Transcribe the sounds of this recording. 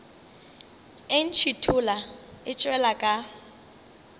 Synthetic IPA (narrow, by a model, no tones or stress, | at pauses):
ɪn̩t͡ʃʰitʰʊlaɪt͡ʃʼwɛlakʼa